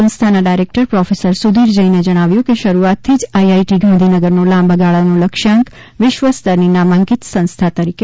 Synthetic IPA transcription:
ə̃nst̪ʰanaɖajɾek̚ʈəɾpɾɔfesəɾsud̪iɾd͡ʒəined͡ʒəɽ̃aʋjũkeʃəɾuat̪ʰːid͡ʒajaiʈiɡãnd̪ʱinəɡəɾnolãmbəɡaɭanoləkʃãŋk | ʋɪʃʋəsd̪əɾninamãŋɡit̪sə̃nst̪ʰat̪əɾike

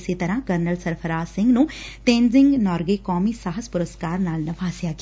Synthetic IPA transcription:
set̪ɐɾãɦkɐɾnəlsɐɾpʰəɾaːsɪ̃ŋɡnũt̪ẽːnzɪ̃ŋɡnɔːɾɡekɔːmisaɦəspʊɾəskaːɾnaːlnɐʋaːsjakː

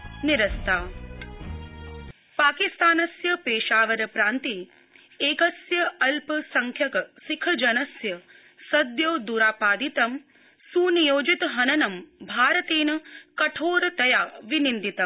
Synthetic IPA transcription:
niɾɐst̪ʰaː | paːkist̪aːnɐsjɐpeːʃaːʋɐɾɐpɾaːnt̪i | eːkɐsjɐɐlpɐsɐŋkʰjɐkɐsikʰɐd͡ʒɐnɐsjɐ | sɐd̪joːd̪uːɾaːpaːd̪it̪ɐm | suːnijoːd͡ʒit̪ɦɐnɐnɐmbʱaːɾɐt̪eːnɐkɐʈʰoːɾt̪ɐjaːʋinind̪it̪ɐm

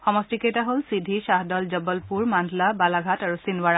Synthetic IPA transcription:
xɔmɔstikejtaɦolsidʱiʃaɦdɔlzɔbɔlpuɹmandʱlabalaɡʱataɹusinwaɹa

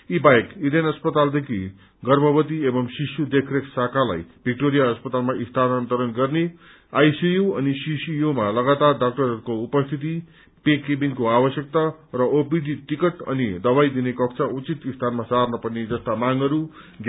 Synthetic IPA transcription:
ibajekid̪enʌspʌt̪ald̪ekʰi | ɡʌrbʱʌbʌt̪iebʌmsisjud̪ekʰreksakʰala̰jbʱik̚ʈoɾijaʌspʌt̪almaʔist̪ʰanant̪ʌɾʌnɡʌrne | ajsijuʌnisisijumalʌɡat̪arɖak̚ʈʌɾʌrkoupʌst̪ʰit̪i | pekebiŋkoabʌsjʌk̚t̪arʌʔopidʱiʈikʌʈʌ̰nid̪ʌbajd̪inekʌkt͡sʰaut͡sit̪ist̪ʰanmasarnʌpʌned͡zʌst̪amaŋʌɾu | ɡ

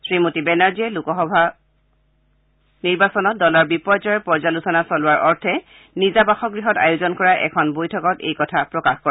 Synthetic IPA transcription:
sɹimutibɛnaɹziɛlukɔxɔbʱa | niɹbasɔnɔt̚dɔlɔɹbipɔjd͡ʒɔjɔpɔɹzalusɔnasɔlʊwaɹʔɔɹtʰɛ | nizabaxɔɡɹiɦɔta̰juzɔnkɔɹaʔɛ̰kʰɔnbojtʰɔkɔtḛjkɔtʰapɹɔkaxkɔɹɛ

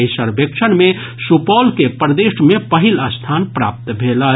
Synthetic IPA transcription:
jsəɾbekʃʰənme | supɔlkepəɾd̪eʃmepəɦiləst̪ʰanpɾa̰p̚t̪bʱelə

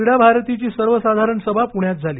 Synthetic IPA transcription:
iɽabʱaɾt̪it͡ɕiːsəɾʋəsad̪ʱaɾəɳsəbʱapuɳjat̪̚d͡zʱaliː

